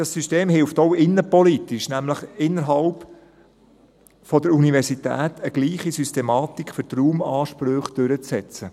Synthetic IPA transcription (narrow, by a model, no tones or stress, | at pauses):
d̥ɑsːysteːmɦɪlftɔwɪnːəpɔlit̪iʃnæmləχɪnːəɾɦɑlp | fɔdəɾunivɛɾsitæ̰ːtəɡ̥liːχisystɛmɑːt̪ikfʏɾtruːmɑːʃpɾøχd̥ɵɾət͡sːɛt͡sə